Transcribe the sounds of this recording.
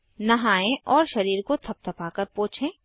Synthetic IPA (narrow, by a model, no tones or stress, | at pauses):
nɐɦaːẽʔɔːɾʃɐɾiːɾkot̪ʰɐp̚t̪ʰɐpaːkəɾpõːt͡ʃʰẽː